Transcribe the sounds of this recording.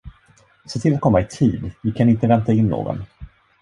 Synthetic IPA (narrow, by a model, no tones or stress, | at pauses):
seːt̪ʰɪlat̪kʰɔmːaɪt̪ʰḭːd̪vɪkʰanɪnt̪əvɛnt̪aɪnːo̰ːɡɔ̰n